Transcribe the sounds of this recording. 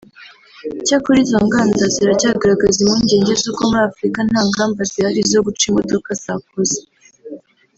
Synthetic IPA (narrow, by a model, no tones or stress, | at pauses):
caːkoɾiːzo̞ŋɡaːndaziɾacaɡaɾaɡazimuːɲɟe̞ːɲɟezuːko̞muɾaːfuɾikan̥haːŋɡaːmbazihaɾizo̞ɡut͡ʃimo̞do̞kazak̚oze̥